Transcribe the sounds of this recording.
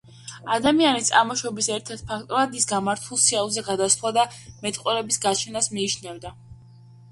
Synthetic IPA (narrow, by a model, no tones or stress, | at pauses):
ad̪amianit̪sʼamɔʃɔbisɛɾt̪ʰɛɾt̪̚pʰakʰt̪ʼɔɾad̪isɡamaɾt̪ʰulˠsialˠzɛɡad̪ast̪ʰwad̪amɛt̪ʼqʼwɛɾɛbisɡat͡ʃʰɛnasmiːt͡ʃʰnɛvd̪a